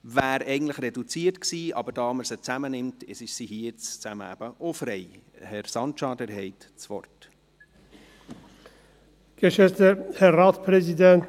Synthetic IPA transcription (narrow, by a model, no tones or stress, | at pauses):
væːɾɛɪɡən̩tləχɾɛdut͡siːrtksiːʔɑ̰bəɾd̥ɑːməɾsət͡sæmənɪmtɪsɪʃsihiːjɪt͡st͡sæmə̰æ̰b̥əʔofɾɛɪhɛɾsɑnt͡ʃɑːdəɾɦɛɪt | t͡sʋɔ̰rt | ɡ̥əʃɛt̪əhɛɾːɑːt̪spʰɾɛzid̪ɛnt̪